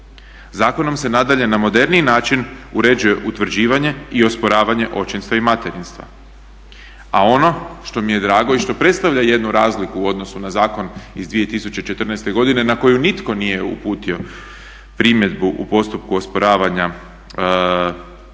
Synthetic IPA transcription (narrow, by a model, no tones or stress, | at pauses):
zaːko̞no̞mse̞nad̪aʎe̞namo̞d̪e̞ɾninaːt͡ʃinuɾe̞d͡ʑuje̞ʔut̪ʋɾ̩d͡ʑiːʋaɲe̞io̞spo̞ɾaːʋaɲe̞ʔo̞t͡ʃinst̪ʋaimat̪e̞ɾinst̪ʋa̰ | ao̞no̞ʃt̪o̞mije̞d̪ɾaːɡo̞iʃt̪o̞pɾe̞t̪st̪aʋʎaje̞d̪nuɾaːzlikuːo̞d̪no̞sunazaːko̞nizd̪ʋie̞t̪isut͡ɕe̞t͡ʃe̞t̪r̩najst̪e̞ɡo̞d̪ine̞nako̞junit̪ko̞nije̞ṵpuːt̪io̞ | pɾimje̞d̪buʔṵpo̞st̪upkuo̞spoɾaːʋaɲa